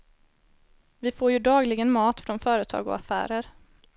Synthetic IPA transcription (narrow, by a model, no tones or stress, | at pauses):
vɪfoːɾjɵd̪ɑːɡlɪɡənmɑːt̪fɾɔnfœːɾət̪ʰɑ̰ːɡɔ̰a̰fæ̰ːɾəɾ